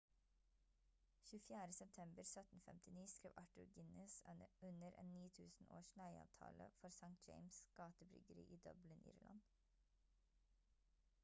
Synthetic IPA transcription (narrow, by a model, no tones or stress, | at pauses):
çʉːfjæːɾəsɛp̚t̪ʰɛmbəɾsœt̪n̩fɛ̰mt̪ʰɪniːskɾiːʋʔɑʈʉɾɡɪnɛsʉnəɾʔḛːnniːt̪ʰʉːsn̩o̰ːʃlæɪɑ̰ːʋt̪ʰɑ̰ːləfɔɾsɑŋt̪̚d͡ʒeɪmsɡ̥ɑːt̪əbɾʏ̰ɡəɾḭːʔiːd̪œblɪnʔḭːɾlʔɑ̰n